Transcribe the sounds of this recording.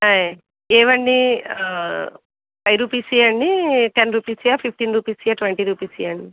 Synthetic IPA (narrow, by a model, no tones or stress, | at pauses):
aːj | eːʋɐɳɖi | pɐjɾuːpisijɐɳɖiʈenɾuːpisiaːpʰip̚ʰʈinɾuːpiːsiaʈʋeɳʈiɾuːpisijɐɳɖi